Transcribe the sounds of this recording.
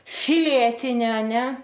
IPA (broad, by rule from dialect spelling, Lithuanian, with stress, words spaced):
ˈfʲɪlʲɛtʲɪnʲɪ ɐˈnʲɛ